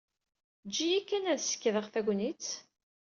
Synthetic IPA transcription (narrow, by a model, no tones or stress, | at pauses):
d͡ʒːijækːænæðsə̥kːðəʁθæɡʷnit͡s